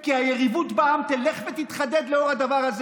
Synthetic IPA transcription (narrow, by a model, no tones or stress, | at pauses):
kihajeʁivut̪baamt̪eleχvet̪it̪χad̪ed̪leo̞ʁhad̪avaʁhaz